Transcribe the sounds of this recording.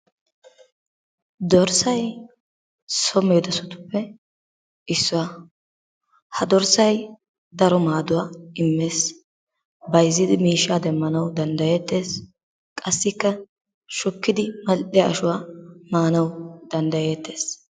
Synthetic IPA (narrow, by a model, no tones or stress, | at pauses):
d̪ɔɾsɐj | sɔmeːd̪ɐsʊt̪ʊ̥pːɛ | ɪsːʊwa | hɐd̪ɔɾsɐj | d̪ɐɾɔmaːd̪ʊwaːɪmːeːs | bɐjzːɪd̪ɪmiːʃːaːd̪ɛmːɐnɐwd̪ɐnd̪ɐjeːt̪ːe̞ːs | kʼɐsːɪkːɐ | ʃʊkːɪd̪ɪmɐlʔɪjɐʔːʃʊwaːmaːnɐwd̪ɐnd̪ɐje̞ːt̪ːe̞ːs